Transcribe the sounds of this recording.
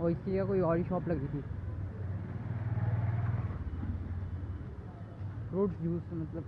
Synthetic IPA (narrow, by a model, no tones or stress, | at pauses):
ɔːɪskelijakoːiɔːɾiʃɔːplɐɡit̪ʰiː | ɾoːɖsd͡ʒʱuːsmɐt̪ləb